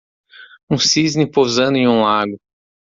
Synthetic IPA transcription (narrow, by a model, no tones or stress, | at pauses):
ũsiznɪpozɐ̃nd̪ʊẽũlaɡʊ